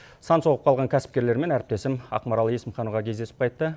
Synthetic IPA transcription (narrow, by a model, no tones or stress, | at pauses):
sɑnso̞ʁəp̚qʰɑlˠʁɑŋkʲʰæsɪ̥p̚kʲe̞ɾle̞ɾme̞næɾɪp̚t̪e̞sɪmɑ̰qmɑɾɑlˠəjesɪmχɑnuʁɑkʲʰezd̪e̞sɪp̚qʰɑjt̪ːə